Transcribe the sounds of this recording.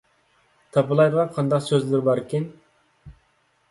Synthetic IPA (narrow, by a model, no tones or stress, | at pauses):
t̪ʰɑpɨlˠɑj̪ʁɑqʰɑnd̪ɑqsøzlɪɾɪbɑɾɪkʲen